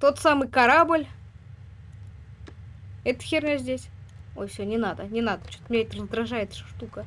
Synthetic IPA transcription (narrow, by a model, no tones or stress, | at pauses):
t̪o̞t̪samɨjkɐɾabɨlʲ | ɛt̪əxʲernʲezʲdʲesʲojfsʲonʲɪnad̪ənʲɪnad̪ət͡ɕot̪mʲnʲeet̪ʲrəzd̪ɾɐʐajɪt̪ʂəʂt̪ukə